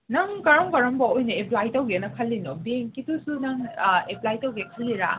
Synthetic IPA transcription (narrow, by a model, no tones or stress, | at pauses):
nɐŋkɐɾɐmkɐɾɐmbɐojnɐeplajtɐwɡiɐnɐkʰɐlːinobeŋkitusunɐŋeplajtɐwɡikʰɐlːiɾa̰